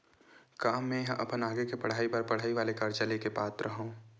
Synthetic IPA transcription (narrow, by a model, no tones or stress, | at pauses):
kaːmːẽɦɐ̃ʔɐ̰pənaːɡekepɐɽ̤aːipəɾpɐɽ̤aːiʋaːlekaɾt͡ʃəlekepaːt̪ɾʔəɦõː